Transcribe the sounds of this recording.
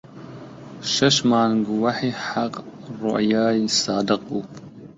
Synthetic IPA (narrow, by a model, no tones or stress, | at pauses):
ʃɐʃmaːnɡʷʊwaħiːħaqrʊ̰ʔjaːjisaːdɨqʼupʰ